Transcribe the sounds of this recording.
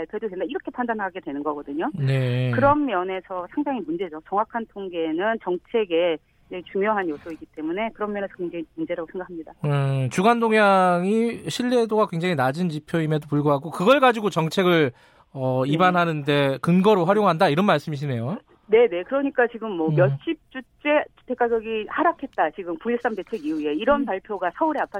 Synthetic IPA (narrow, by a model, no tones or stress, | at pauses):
pʰaɭpʰjʌd͡ʑodendaiɾʌkʰe̞pʰandanɦaɡe̞dwe̞nɯnɡʌɡʌdɯɲone̞kɯɾʌmːjʌne̞sʰʌsʰaŋdaŋimund͡ʑe̞d͡ʑot͡ɕʌŋwakʰantʰoŋɡe̞nɯnt͡ɕʌŋt͡ɕʰe̞ɡe̞ | jet͡ɕuŋjoɦanjosʰʌiɡit͈e̞mune̞kɯɾʌmːjʌne̞sʰʌkweŋd͡ʑaŋimund͡ʑeɾaɡosʰŋɡakʰamɲidat͡ɕuɡandoŋjaŋiɕʰiʎːedoɡakweŋd͡ʑaŋinad͡ʑint͡ɕipʰjoime̞dopuɭɡoɦaɡokɯɡʌɭɡad͡ʑiɡot͡ɕʌŋt͡ɕʰe̞ɡɯɭ | ʌibanɦanɯnde̞kɯnɡʌɾoɸwaɾjoŋɦandaiɾʌnmaɭs͈ɯmiɕ̬ʰine̞jo | ne̞ne̞kɯɾʌɲik͈at͡ɕiɡɯmːwʌmjʌɕ͈ʰip̚t͡ɕ͈ut͡ɕ͈e̞tʰek͈aɡjʌɡihaɾakʰe̞t̚t͈at͡ɕiɡɯmpuis͈amde̞t͡ɕʰe̞ɡiue̞iɾʌnpaɭpʰjoɡasʰʌuɾeapʰa